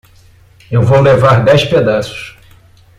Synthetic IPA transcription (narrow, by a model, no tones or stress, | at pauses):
ewvowlevaɾd̪ɛjsped̪asʊ̥s